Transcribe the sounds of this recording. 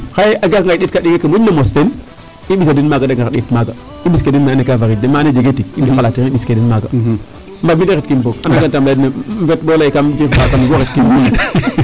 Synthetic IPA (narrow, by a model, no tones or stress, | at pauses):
xajaɡakŋɡadet̚kaɗiɡekamunamosten | iɓisadinmaɡadaŋɡaɗḛtmaɡa | iɓiskedinmaanekavaɾidemaned͡ʒeɡetikifalatiɣiɓiskedinmaɡa | mbamideɣet̚kimbokanaɡantamladnametbolaikamd͡ʒimakamiɡoɾet̚kimbuna